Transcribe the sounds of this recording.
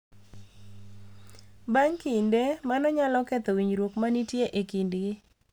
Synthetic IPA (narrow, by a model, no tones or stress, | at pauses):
baŋkindemanɔɲalɔkɛt̪ɔwiɲɾwokmanitjeʔekindɡɪ